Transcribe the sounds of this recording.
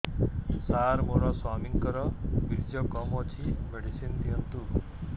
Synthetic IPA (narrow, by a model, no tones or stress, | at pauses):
saɾmoɾɔswamiŋkɔɾɔbiɾd͡ʒɔkɔmɔt͡ʃʰimeɽisind̪iɔnt̪u